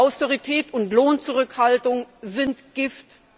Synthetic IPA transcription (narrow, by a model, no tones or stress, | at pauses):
aʊstoʁitʰɛːtʊntloːnt͡suʁʏkhaltʊŋzɪntɡ̥ɪft